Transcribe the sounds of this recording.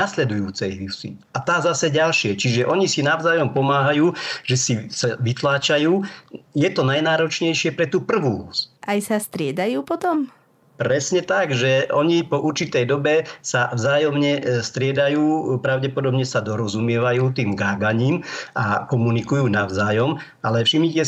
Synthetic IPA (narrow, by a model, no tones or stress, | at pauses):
naslɛd̪ujuːt͡sɛjɦisḭ | at̪aːzasɛɟalʃɪɛt͡ʃiʒɛʔɔɲisinaʊzaːjɔmpɔmaːɦajuːʒɛsisaʋit̪laːt͡ʃajuːjɛt̪ɔnajnaːɾɔt͡ʃɲɛjʃɪɛpɾɛt̪uːpr̩ʋuːlusʔajsast̪ɾɪɛd̪ajuːpɔt̪ɔm | pɾɛsɲɛt̪aɡʒɛʔɔɲipɔʔuɾt͡ʃit̪ɛjd̪ɔbɛsavzaːjɔmɲɛst̪ɾɪɛd̪ajuːpɾaʊɟɛpɔd̪ɔbɲɛsad̪ɔɾɔzumɪɛʋajuːt̪iːmɡaːɡaɲiːma̰kɔmunikujuːnaʊzaːjɔm | alɛfʃimɲicɛ